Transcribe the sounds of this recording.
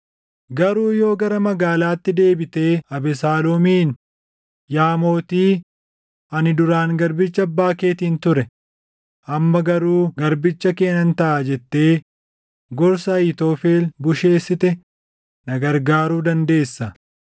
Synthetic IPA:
ɡɐɾuːjo̞ːɡɐɾɐmɐɡaːlaːt̪ːɪd̪e̞ːbɪt̪e̞ːɐbɛsaːlomiːn | jaːmo̞ːt̪iː | ɐnɪd̪ʊɾaːŋɡɐɾbɪt͡ʃːɐbːaːke̞ːt̪iːnt̪ʊɾɛ | ʔɐmːɐɡɐɾuːɡɐɾbɪt͡ʃːɐke̞ːnɐnt̪ɐʔaːd͡ʒɛt̪ːe̞ː | ɡɔɾsɐːɪt̪o̞ːfeːlbʊʃe̞ːsːɪt̪ɛ | nɐɡɐɾɡaːɾuːd̪ɐnd̪e̞ːsːɐ

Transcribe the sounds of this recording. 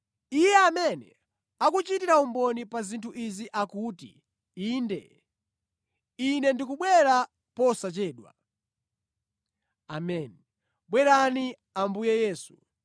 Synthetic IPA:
ijɛamɛnɛ̰ | akut͡ʃitiɾaumbɔnipazintʰuʔiziʔakutḭ | iːndɛ̰ | inɛndikuɓwɛɾa | pɔsat͡ʃɛːɗwa̰ | amɛni | ɓwɛɾani | ambujɛjɛːsu̥

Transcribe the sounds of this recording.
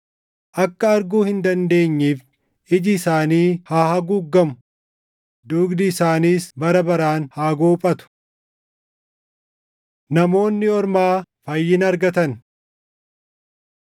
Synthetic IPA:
ʔɐkːɐɐɾɡuːhɪnd̪ɐnd̪e̞ːɲːiːf | ɪd͡ʒɪːsaːniːhaːhɐɡʊɡːɐmʊ̥ | d̪uːɡd̪ɪɪsaːniːsbɐɾɐbɐɾaːnhaːɡoːpʼɐt̪ʊ̥ | nɐmo̞ːnːɪɔɾmaːfɐjːɪnɐɾɡɐt̪ɐn

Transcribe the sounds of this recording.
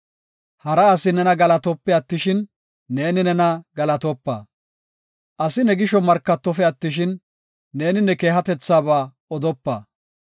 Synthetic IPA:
hɐɾɐːsɪnɛnɐɡɐlɐt̪ɔpːɛɐt̪ːɪʃɪnː | e̞ːnɪnɛnɐɡɐlɐt̪ɔpːa̰ː | ʔɐsɪnɛɡɪʃɔmɐɾkːɐt̪ːɔfɛɐt̪ːɪʃɪnː | e̞ːnɪnɛke̞ːɦɐt̪ɛt͡sːaːbaː | ɔd̪ɔpːa̰ː

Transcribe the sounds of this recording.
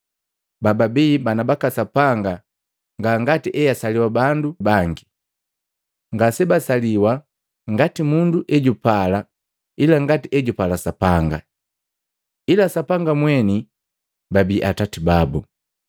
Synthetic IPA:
bababiːbanabakasapaŋɡa | ŋɡaŋɡatiʔɛjasaliwabandubaŋɡi | ŋɡasɛbasaliwa | ŋɡatimunduʔɛɟupala | ilaŋɡatiʔɛɟupalasapaŋɡa | ilasapaŋɡamwɛni | babiːʔatatibabu

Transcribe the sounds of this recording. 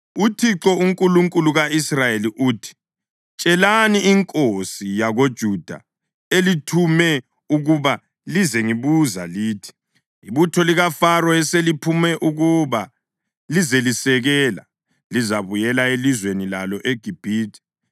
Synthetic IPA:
utʰiǁɔuŋkʼuluŋkʼuluɣaisrajeliʔuːtʰi̥ | t͡ʃʼɛlaniiŋkʼosijaɣod̥ʒ̥ʱud̥ʱa̰ | elitʰumɛ | uɣuβa | lizeŋiβuza̰liːtʰi̥ | iβutʰɔliɣafarɔɛselipʰumɛʔuɣuβa | lizelisɛɣɛːla̰ | lizaβujɛlaelizwenilalɔʔeɡ̥ʱib̥ʱiːtʰʼi̥

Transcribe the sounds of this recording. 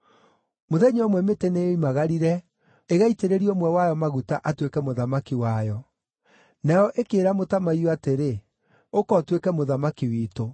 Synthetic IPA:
moðɛɲɔmwɛmeteneoimaɣaɾiɾɛ | eɣaiteɾeɾiɔmwɛwajɔmaɣutaʔatwekɛmoðamakiwajɔ | najɔʔekeːɾamotamaioateɾe | okɔtwekɛmoðamakiwiːto

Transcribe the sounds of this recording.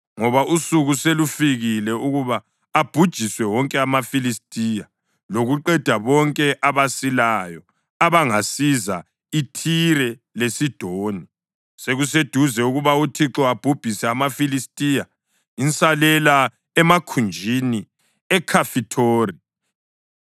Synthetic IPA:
ŋɔβaʔusuɣuselufiɣilɛuɣuβaː | b̥ʱud̥ʒ̥ʱiswɛwɔŋkʼɛamafilistʼija | loɣuǃɛd̥ʱaβɔŋkʼɛʔaβasilajɔ | aβaŋasiza | itʰiɾɛ | lesid̥ʱoːni | seɣused̥ʱuzɛuɣuβautʰiǁɔab̥ʱub̥ʱisɛamafilistʼija | int͡sʼalɛla | ɛmakʰund͡ʒʱini | ɛkʰafitʰoːri

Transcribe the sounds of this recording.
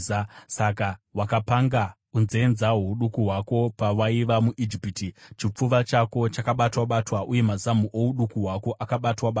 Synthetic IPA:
sakawakapaŋɡa | unzenzaɦuɗukuɦwako̞pawaiʋamuʔid͡ʒipitit͡ʃip͡fuʋat͡ʃako̞t͡ʃakaɓatwaɓatwaʔuje̞mazamuʔouɗukuɦwako̞ʔakaɓatwaɓa

